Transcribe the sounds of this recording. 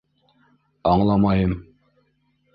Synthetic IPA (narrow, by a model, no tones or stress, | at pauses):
ɑɴlˠɑmɑjɤn